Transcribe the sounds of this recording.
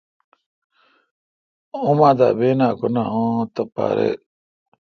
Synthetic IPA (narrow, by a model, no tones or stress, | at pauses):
ʊmãd̪a̰ʔbenaːkonaõːt̪apa̰ːɾḛ